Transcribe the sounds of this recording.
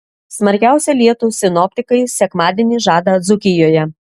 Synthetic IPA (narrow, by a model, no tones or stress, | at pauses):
smɐɾʲkʲæˑʊsʲɛlʲiɛt̪uːsʲɪnɔpʲt̪ʲɪkɐɪsʲɛkmɑːd̪ʲiɛnʲiːʒɑːd̪ɐd̪zʊkʲɪjoːjɛ